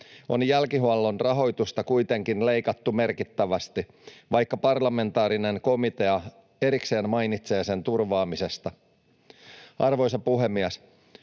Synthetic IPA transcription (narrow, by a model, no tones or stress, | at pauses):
o̞njælkiɦuɑlːo̞nrɑɦo̞jt̪ust̪ɑkujt̪e̞ŋkinle̞jkɑt̪ːume̞rkit̪ːæʋæst̪i | ʋɑjkːɑpɑrlɑme̞nt̪ɑːɾine̞ŋko̞mit̪e̞ɑ | e̞ɾikse̞ːnmɑjnit̪se̞ːse̞nt̪urʋɑːmise̞st̪ɑ | ɑrʋo̞js̬ɑpuɦe̞mːiæs